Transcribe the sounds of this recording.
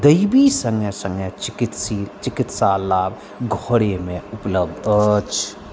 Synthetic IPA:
d̪əɪbisə̃ŋɡɛsə̃ŋɡɛt͡ʃikit̪sit͡ʃɪkit̪salaːb | ɡʱoɽemẽupləbd̪ət͡ʃʰ

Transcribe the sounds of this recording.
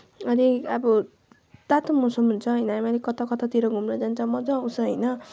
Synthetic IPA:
ʌniabʌ | t̪at̪umusʌmɦunt͡sʰʌɦʌjnʌamaɾikʌt̪ɔkʌt̪at̪iɾʌɡʱumrʌd͡zant͡sʰʌmʌd͡zʌ̃usʌɦʌjnʌ

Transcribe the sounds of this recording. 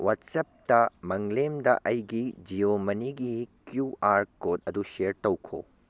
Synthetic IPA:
wɐtsɐp̚tɐmɐŋlemdɐ̰ʔɐjɡid͡ʒiomɐniɡikjuaɾkodɐduʃeɾtɐwkʰo̰

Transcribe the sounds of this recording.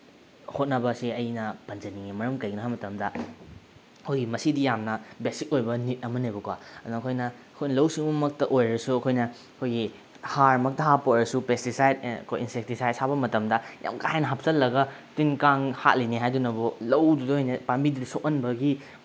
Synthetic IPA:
hot̚nɐbɐsiɐjnɐpɐnzɐniŋemɐɾɐmkɐjɡnɐɦamɐtɐmdɐ | kʰojɡimɐsidijamnɐbesik̚ojbɐnit̚ɐmɐnejbɐkwaɐduŋɐkʰojnɐɐkʰojnɐlɐwsiŋbumɐk̚tɐʔojɾɐsuɐkʰojnɐ | ɐkʰojɡi | haɾmɐk̚tɐɦapoɾɐsupestisajdɐ̰kʰo̰jinsek̚tisajd̚sabɐmɐtɐmdɐja̰mkajanɐɦap̚sɐlːɐɡɐtinkaŋha̰k̚liniɦajdunɐbulɐwdudohojnepambididisok̚ɐnbɐɡi

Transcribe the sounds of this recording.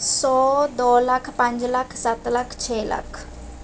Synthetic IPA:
sɔd̪ɔlakʰpãɲd͡ʑlakʰsat̪lakʰt͡ɕʰɛla̰kʰ

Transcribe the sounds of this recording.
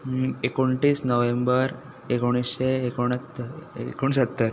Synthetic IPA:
ekoɳʈiːsnoʋembəɾ | ekoɽ̃isɕeːkoɳ̃at̪ːkoɳsət̪ːəɾ

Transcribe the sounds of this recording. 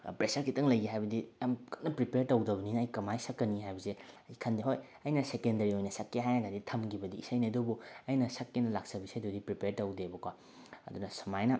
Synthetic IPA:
pɾesɐɾkʰitɐŋlɐjɡiɦajbɐdijamkʰɐnɐpɾipeɾtowdɐbɐninɐːjkɐmajsɐkːɐnːiɦajbɐsejkʰɐndiɦoj | ɐjnɐsekendɐɾiojnɐsɐkːeɦajnɐɡaditʰɐmɡibɐdiːsɐjnidobuɐjnɐsɐkːenɐlak̚sɐbisajdodipɾipeɾtowdebɐkwa | ɐ̰dunɐsɐmajnɐ

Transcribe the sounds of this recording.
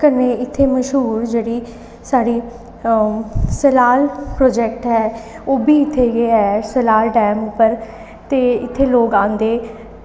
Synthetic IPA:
kəɾneːɪt̪ʰːeːməʃɦuːɾd͡ʒeːɽiː | saːɽiː | səlaːlpɾɔːd͡ʒɛːk̚ʈɦɛː | oːbiːɪt̪ʰːeːɡeːɛsəlaːlʈɛːmʊpːəɾ | t̪eːɪt̪ʰːeːloːkãːnd̪eː

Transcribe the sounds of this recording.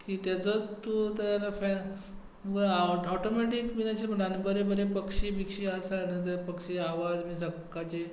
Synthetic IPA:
kiːt̪at͡sot̪ːut̪əɾfa | məɡəaɔʈomɛʈikʋinat͡ɕeməlanbəɾebəɾepəkɕibikɕiəsanət̪̬əɾpəkɕiaʋad͡zmiːsəkːat͡ɕe

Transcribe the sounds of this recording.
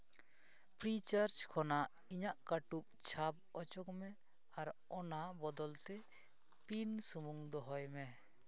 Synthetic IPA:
pɾit͡ʃaɾt͡ʃkʰɔna | iɲaʔkaʈup̚t͡ʃʰab̚ɔt͡ʃɔkmɛ | aɾ | ɔnabɔd̪ɔlt̪ɛ | pinsumuŋd̪ɔɦɔjmɛ

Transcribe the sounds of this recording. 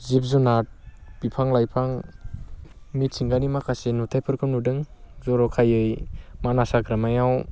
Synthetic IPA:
zip̚zunat̚b̥ipʰaŋlajpʰaŋ | mit̚siŋɡanimakʰasenutʰajpʰɯɾkʰɯmnudɯŋzɔɾɔkʰajɯjmanasaɡɾamajaw

